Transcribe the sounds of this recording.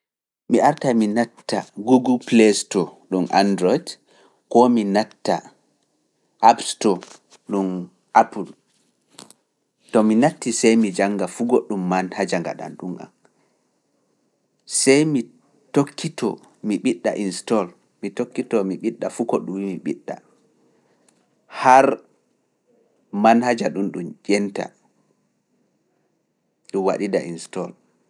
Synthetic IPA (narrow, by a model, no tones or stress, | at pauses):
miaɾtaminatːa̰ɡuɡulplestɔɗumʔa̰ndɾɔjd | kɔminatːa | ʔapstɔ | ɗum | ʔapul | tɔminatːisɛjmid͡ʒaŋɡafuɡoɗːumːanhad͡ʒaŋɡa̰ɗa̰nɗuma̰n | sɛjmi | tokːitɔ̰ | miɓiɗːa̰ʔinstɔl | mitokːitɔmiɓiɗːafukɔɗumwimiɓiɗːa̰ | haɾ | manhad͡ʒaɗunɗumd͡ʒɛnta̰ | ɗuwa̰ɗidaʔinstɔl